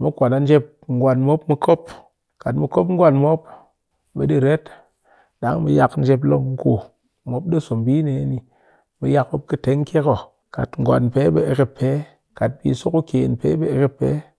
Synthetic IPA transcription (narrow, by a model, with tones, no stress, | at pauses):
mo˦kʷa˨na˨n̩˦d͡ʒe˦p̚ | ŋ̩˦ɡwa˨nmo˦pmi˦kʰo˦p̚ | ka˨tmi˨ko˦p̬ŋ̩˦ɡʷwa˦˨nmo˦p | be˨di˨ɾe˦t | ɗa˨˦ŋmi˨ja˧kn̩˦d͡ʒe˧p̬lo˦kŋ̩˦ko˨ | mo˦p̚ɗe˦˨so˨mbi˦ne˨je˦ni˨ | mi˨ja˦kbo˦p̚kɨ˦te˨˦ŋ˦kʲe˦ko˨ | ka̰˨tŋ̩˨ɡʷa̰˨npe˦ɓe˨e˨ke˦pʰːe˨˦ | ka˨t̚pḭ˧˦su˦ku˦ke˨npḛ˦be˨e˨ke˦pːḛ˨˦